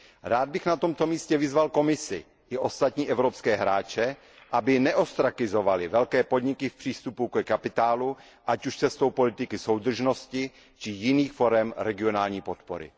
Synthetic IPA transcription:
ɾaːd̪̚bɪxnat̪o̞mt̪o̞miːscɛvɪzvalko̞mɪsɪ̰ | ʔɪʔo̞st̪at̪ɲiːʔɛvɾopskɛːɦɾaːt͡ʃɛ | ʔabɪnɛʔo̞st̪ɾakɪzo̞valɪvɛlkɛːpo̞d̪ɲɪkɪfpr̝̥iːst̪upukɛkapɪt̪aːlu | ʔacuʃt͡sɛst̪owpo̞lɪt̪ɪkɪsowd̪r̩ʒno̞scɪ | t͡ʃɪjɪniːxfo̞ɾɛmɾɛɡɪo̞naːlɲiːpot̪po̰ɾɪ̰

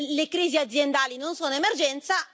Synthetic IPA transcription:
lekɾiːziad̪zjend̪aːlinonsoːnoemerd͡ʒɛnt̪sa

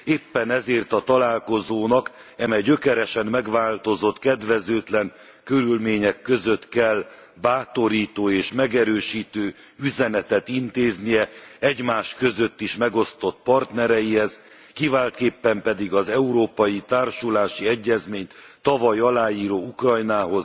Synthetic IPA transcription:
eːpːɛnɛzeːrt̪ɒt̪ɒlaːlko̞zoːnɒkɛmɛjɟø̞kɛɾɛʃɛnːɛɡʋaːlt̪o̞zo̞t̪kɛd̪ʋɛzøːt̪lɛŋ | kø̞ɾylmeːɲɛkːø̞zøt̪kɛl | baːt̪o̞ɾiːt̪oːeːʃmɛɡɛɾøːʃiːt̪øː | yzɛnɛt̪ɛt̪int̪eːznijɛɛɟmaːʃkø̞zø̞t̪ːiʃmɛɡo̞st̪o̞t̪pɒrt̪nɛɾɛjihɛz | kivaːlt̪keːpːɛmpɛd̪iɡɒzɛuɾoːpɒjit̪aːrʃulaːʃiɛɟːɛzmeːɲt̪t̪ːɒvɒjɒlaːjiːɾoːukrɒjnaːɦo̞z̥

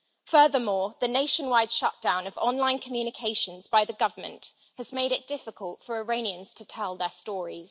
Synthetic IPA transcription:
fɜːðəmɔːðəneɪʃə̃nwaɪd̥ʃʌʔd̥ãʊ̃nəvɒ̃nlãɪ̃nkʰəmjʉːnɪkʰeɪʃə̃nzbaɪðəɡʌvəmə̰̃nʔ | həzmeɪɾɪʔ̚d̥ɪfɪkʰəlˠtfəɹəɹẽɪ̃niə̃nz̥tʰətʰɛlˠðəstɔːɹiz̥

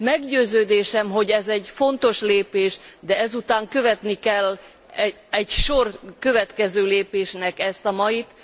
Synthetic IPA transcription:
mɛɡɟøːzøːd̪eːʃɛmɦo̞ɟɛzɛɟfo̞nt̪o̞ʃleːpeːʃd̪ɛɛzut̪aːŋkø̞vɛt̪nikɛlː | ɛ | ɛɟʃo̞rkø̞vɛt̪kɛzøːleːpeːʃnɛkɛst̪ɒmɒjit̪

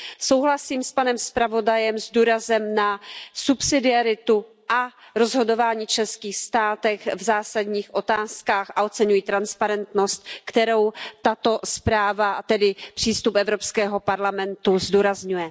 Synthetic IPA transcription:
so̞wɦlasiːmspanɛmspɾavo̞dajɛmzduːɾazɛmnasupsɪdɪaɾɪt̪u | ʔaɾo̞zɦo̞do̞vaːɲiːt͡ʃɛnskiːxst̪aːt̪ɛxvzaːsadɲiːxʔo̞t̪aːskaːxʔaʔo̞t͡sɛɲujiːt̪ɾanspaɾɛnt̪no̞st̪̚kt̪ɛɾo̞wt̪at̪o̞spɾaːvat̪ɛdɪpr̝̥iːst̪upʔɛvɾo̞pskɛːɦo̞paɾlamɛnt̪uzduːɾazɲujɛ

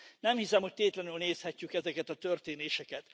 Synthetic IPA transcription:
nɛmhisɛmho̞c̚t̪eːt̪lɛnylneːshɛcːykɛzɛkɛt̪ɒt̪ørt̪eːneːʃɛkɛt̪

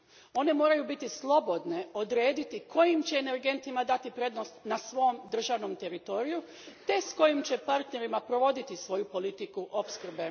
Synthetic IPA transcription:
o̞ne̞mo̞ːɾajubit̪islˠo̞bo̞d̪ne̞o̞d̪ɾe̞ːd̪it̪iko̞jimt͡ɕe̞ːne̞ɾɡe̞nt̪imad̪at̪ipɾe̞d̪nost̪nasʋo̞ːmd̪r̩ʒaʋno̞mt̪e̞ɾit̪o̞ɾiju | t̪e̞sko̞jimt͡ɕe̞paɾt̪ne̞ɾimapɾo̞ʋo̞d̪it̪isʋo̞jupo̞lit̪ikuʔo̞pskr̩be

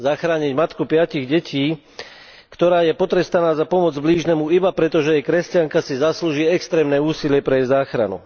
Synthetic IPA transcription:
zaxɾaːɲiɟmat̪kupɪaciɣɟɛcʰiː | kt̪ɔɾaːjɛpɔt̪ɾɛst̪anaːzapɔmɔd͡zbliːʒnɛmuibapɾɛt̪ɔʒɛjɛkɾɛscaŋkasizasluːʒiːɛkst̪ɾɛːmnɛuːsilɪɛpɾɛɛjzaːxɾa̰nṵ

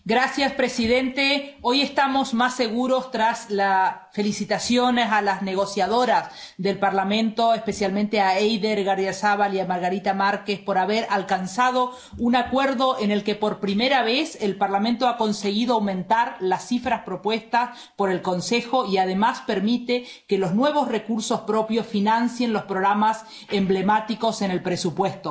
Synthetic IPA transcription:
ɡɾasjaspɾesiðe̞nt̪e̞oje̞st̪amo̞zmasːe̞ɣuɾo̞st̪ɾaslafe̞lisit̪asjo̞nesalazne̞ɣo̞sjað̞o̞ɾas | ðe̞lpaɾlamẽ̞nt̪o̞espe̞sjalmẽnt̪eaejðeɾɣaɾðjasaβaliamaɾɣaɾit̪amaɾkespo̞ɾaβeɾʔalkansað̞o̞ | unakwe̞ɾðo̞ʔene̞lkepo̞ɾpɾime̞ɾaβeselpaɾlamẽnt̪oako̞nse̞ɣiðoawmẽ̞nt̪aɾlasːifɾaspɾo̞pwe̞st̪as | po̞ɾe̞lko̞nse̞xo̞iaðe̞maspeɾmit̪e | kelo̞znwe̞β̞o̞sre̞kuɾso̞spɾo̞pjo̞sfinansje̞nlo̞spɾoɣɾamas | emble̞mat̪iko̞se̞ne̞lpɾesupwe̞st̪o̞

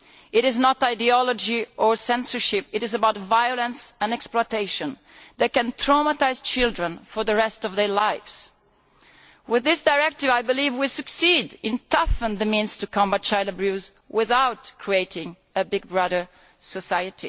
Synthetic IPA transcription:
ɪɾɪznɔtaɪdiɔlɔd͡ʒiəɹsɛ̃nsə˞ʃɪpɨɾɪzəbawtvajɔlə̃nsə̃nɛksplɔɪteɪʃə̃n | ðæt̚kɛ̃nt̪ʰɹamətaɪz̥t͡ʃɪlˠdɹə̃nfɔɹðəɹɛstɔvðə˞laɪvz̥ | wɪðɪsdaɹɛk̚tɪvajbɨlivwisɨksidɪ̃ntʰʌfə̃nðəmĩnstukʰɔ̃mbat̚t͡ʃaɪləbɹuz | wɪðawtkʰɹieɪtɪ̃ŋ | əbɪɡ̚bɹʌðə˞ | sɔsajɨtʰḭ

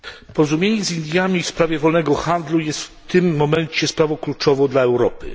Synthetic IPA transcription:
pɔɾɔzumʲjeɲɛzʲind̪ʲjamʲifspɾavʲjɛvɔlnɛɡɔxand̪lujɛst̪ft̪ɘmːɔmɛɲt͡ɕɛspɾavɔ̃w̃klut͡ʂɔvɔ̃w̃d̪laɛwɾɔpɘ̰

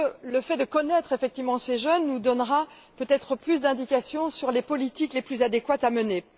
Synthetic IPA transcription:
ləfɛd̪əkɔnɛt̪χefɛk̚t̪ivmɑ̃seʒœnːud̪ɔnʁa | pøt̪ɛt̪χəplys̬d̪ɛ̃d̪ikasjɔ̃syʁlepɔlit̪ikleplyzad̪ekwat̪aməne

